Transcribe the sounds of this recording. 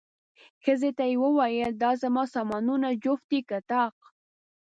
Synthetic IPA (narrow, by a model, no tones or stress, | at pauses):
xəzet̪ajewəwɑjəld̪ɑzamɑsɑmɑnunad͡ʒoft̪ikat̪ɑq̚